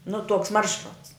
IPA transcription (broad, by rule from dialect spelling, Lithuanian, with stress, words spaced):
nʊ tuɔks ˈmɐrʃrʊts